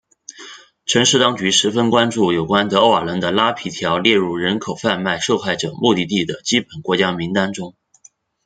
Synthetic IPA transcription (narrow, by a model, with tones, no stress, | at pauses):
ʈ͡ʂʰɤ˧˥ŋʂɻ̩˥˩t̪ɑ˥ŋt͡ɕy˧˥ʂɻ̩˧˥fə˥nkwa˥nʈ͡ʂu˥˩jo˨˩ʊkwa˥nt̪ɤ˧˥o˥˩a˞˨˩lə˧˥nd̪ə˧la˥pʰi˧˥t̪ʰjɑ˧˥ʊljɛ˥˧ɻu˥˩ɻə˧˥nkʰo˨˩ʊfa˥˧nma˥˧ɪʂo˥˧ʊxa˥˩ɪʈ͡ʂɤ˨˩mu˥˧t̪i˥˧t̪i˥˩d̪ə˩t͡ɕi˥pə˨˩nkwɔ˧˥t͡ɕja˥mi˧˥ŋt̪a˥nʈ͡ʂʊ˥ŋ